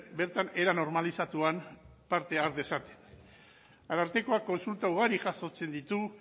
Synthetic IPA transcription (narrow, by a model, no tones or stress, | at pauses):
beɾt̪ane̞ɾano̞ɾmalisat̪uam | paɾt̪e̞aɾd̪e̞sat̪e̥n | aɾaɾt̪e̞ko̞akːo̞nsult̪auɣ̞aɾiʝaso̞t͡se̞nd̪it̪u